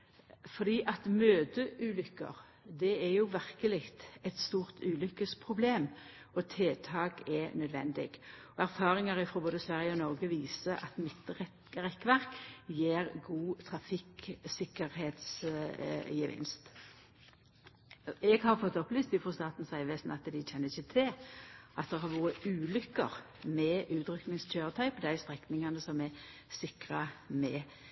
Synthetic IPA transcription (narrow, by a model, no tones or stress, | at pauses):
fɔʁd̪iːʔɑt̪møːd̪əʔʉːlʏkːə̰ʁ | d̪ɛæjʊʋæʁkəlɪkt̪ɛt̪st̪uːʁt̪ʉːlʏkːəspʰʁʊbleːm | ɔt̪ʰeːt̪ʰɑːɡɛnœd̪ʋɛ̰nd̪ɪ̰ɡɔæʁfɑːʁɪŋɑʁɪfɾɔboːd̪əsʋæʁjəɔnɔʁɡəʋiːsəʔɑt̪mɪt̪ːʁɛ | ʁɛkːʋæʁkjeːʁɡuːt̪ʰʁɑfɪksɪkəɾheːt̪s | jəʋɪ̰nst̪ | ɛɡhɑʁfɔt̪ːɔplyːst̪ɪfʁɔst̪ɑːt̪n̩sæɪʋeːsnɑt̪d̪ɪc͡çɛnːəɪçət̪ʰɪlʔɑt̪̚d̪ɛhɑʁʋuːəʉːlʏkːə̰ʁ | mɛʔʉːt̪ɾʏknɪŋstʰøːʁət̪ʰɑɪpd̪æɪst̪ʁɛknɪŋɑnəsɔmɛ | sɪkʁəmɛ